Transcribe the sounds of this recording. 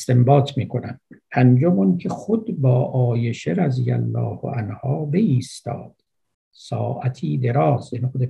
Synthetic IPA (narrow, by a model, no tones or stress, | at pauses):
st̪e̞mbɒːt̪ʰmiːkʰonæmpʰænd͡ʒomuncʰeχod̪bɒːʔɒːjeʃeɾæzijæ̰lːɒ̰ːhʔænhɒːbe̞iːst̪ɒ̰ːd̪̥ | sɒ̰ːʔæt̪ʰiːd̪e̞ɾɒːzenixod̪e